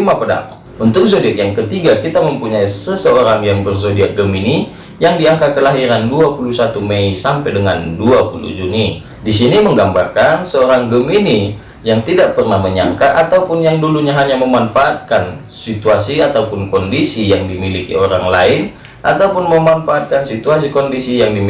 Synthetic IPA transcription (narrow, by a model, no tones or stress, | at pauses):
imapəda̰ŋ | unt̪ʊk̚sodiakjaŋkət̪iɡakit̪aməmpuɲaisəsəoɾaŋjaŋbərsodiaʔ̚ɡəmini | jaŋdiaŋkakəlaɦiɾanduapulusat̪umeisampɛjdəŋanduapulṵd͡ʒuni | disiniməŋɡambarkansəoɾaŋɡəmini | jaŋt̪idaʔ̚pərnahməɲa̰ŋkaʔat̪aupʊnjaŋduluɲaɦaɲaməmanfaʔːt̪̚kan | sit̪uasiat̪aupʊnkɔndisijaŋdimilikḭoɾaŋlaɪn | ʔa̰t̪aupʊnməmanfaːt̪̚kansit̪uas̬ikɔndisijaŋdi